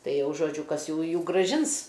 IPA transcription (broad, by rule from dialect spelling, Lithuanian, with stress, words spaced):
ˈtɐɪ ˈjɛʊ ʒoːˈd͡ʒʲʊ ˈkɐs ˈjuːjuː ɡrɐˈʒʲɪns